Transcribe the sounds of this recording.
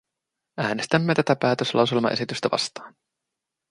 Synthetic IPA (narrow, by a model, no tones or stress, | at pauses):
æːne̞st̪æmːe̞t̪æt̪æpæːt̪øslʔɑ̰wse̞lmɑ̰ʔe̞sit̪yst̪æʋɑ̰st̪ɑːn